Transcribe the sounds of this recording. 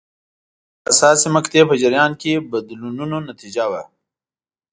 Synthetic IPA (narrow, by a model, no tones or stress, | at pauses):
ɐsɑːsimɐkt̪epəd͡ʒɪɾjɑːnkebɐd̪lununonɐt̪id͡ʒawa